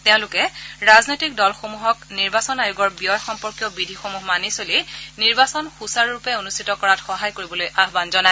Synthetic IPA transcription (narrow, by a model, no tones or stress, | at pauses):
teʊ̃lʊkɛɹaznojtik̚dɔlxomuɦɔkniɹbasɔnajuɡɔɹbiɔjxɔmpɔɹkjɔbidʱixomuɦmanisoliniɹbasɔnxusaɹːupɛonustʰitɔkɔɹatxɔɦajkoɹibɔlojʔaɦbanzɔnaɛ